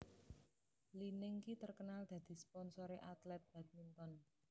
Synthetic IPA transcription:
linɪŋkit̪ərkənald̪̥a̤d̪̥i̤spɔnsoɾeʔat̪lɛt̪̚b̥a̤t̪̚mint̪ɔn

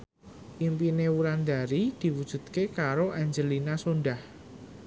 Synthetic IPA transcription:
impinewuɾand̪a̤ɾid̪̥i̤wud̥ʒ̥ṳt̪̚kekaɾoʔaɲd͡ʒəlinasonɖah

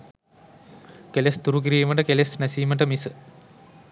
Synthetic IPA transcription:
kelesd̪uɾuɡiɾiːmɐɳʈəkelesnɐsiːməɳʈəmisɨ

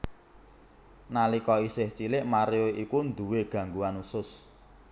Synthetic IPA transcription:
nalikɔisɪht͡ʃilɪʔmaɾeoikund̪uweɡ̥ä̤ŋɡuwanusʊs

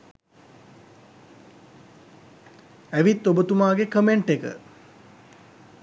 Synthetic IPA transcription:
æʋit̪ːobət̪umaːɡekəmeɳʈekə̰

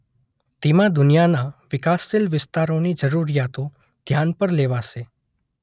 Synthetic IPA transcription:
t̪emãd̪ʊnijanaʋɪkasːelʋɪst̪aɾonid͡ʒəɾuɾijat̪o | d̪ʱjanpəɾleʋaʃe

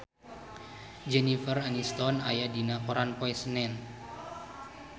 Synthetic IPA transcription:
d͡ʒɛnifəranist̪ɔnajadinapɔɾanpɔɛsnɛn

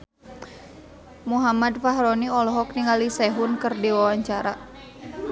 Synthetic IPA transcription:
muɦamad̚faɦɾɔniɔlɔɦɔkniŋalisɛɦʊnkɨrdiwawaɲt͡ʃaɾa

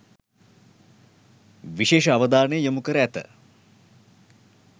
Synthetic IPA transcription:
ʋiʃeːʃəaʋəd̪aːnəjəjəmukəɾəæt̪ə̰

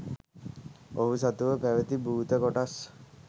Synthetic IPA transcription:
oɦusat̪uʋəpæʋət̪ibuːt̪əkoʈas

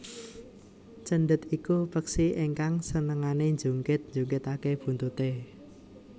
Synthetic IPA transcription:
t͡ʃənɖət̪ikupəksieŋkaŋsənəŋaneɲd͡ʒuŋkɪt̪̚nd͡ʒuŋkɪt̪akeb̥ṳnt̪ut̪e

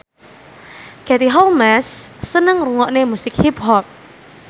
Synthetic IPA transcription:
kɛt̪iɦɔlmɛsːənəŋruŋɔʔnemusɪk̚hip̚hɔp̚

